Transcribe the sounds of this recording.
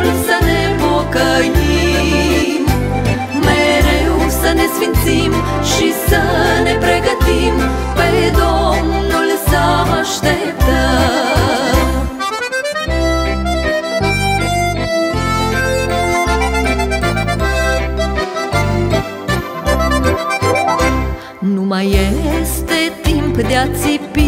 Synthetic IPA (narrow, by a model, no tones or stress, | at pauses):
sɐnɛ | mɔkɐji | m | mɛɾɛusɐnɛsʋinsim | ʃisɐnɛpɾɛɡɐt̪im | pɛd̪ɔmnɔlɛsamaʃt̪ɛ | t̪a | numajest̪e̞t̪impd̪eat̪sipi